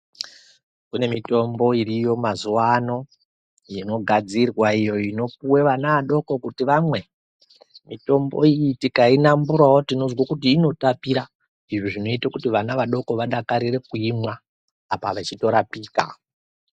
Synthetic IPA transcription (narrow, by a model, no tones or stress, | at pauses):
kune̞mito̞mbo̞irijo̞mazuwano̞ | jino̞ɡʱad͡zirwaijo̞ino̞p̚uwe̞ʋanaʋaɗo̞ko̞kutiʋamwe̞ | mito̞mbo̞̰ijitikainambuɾawotino̞zwakutiːno̞tapiɾa | iʐoʐino̞itakutiʋanaʋaɗo̞ko̞ʋaɗakaɾire̞kuimwaː | paʋat͡ʃito̞ɾapiːka̰